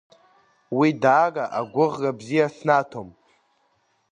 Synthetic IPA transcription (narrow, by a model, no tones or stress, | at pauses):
widaːɡʼaʔaɡʷʊʁɡabzijasnatʰom